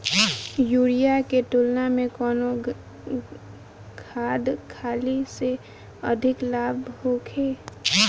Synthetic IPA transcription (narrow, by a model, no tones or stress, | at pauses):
juːɽijakeʈ̪ʊlnamẽkɔːno | kʰaːd̪kʰaːlise | əd̪ʱɪklaːbhokʰeː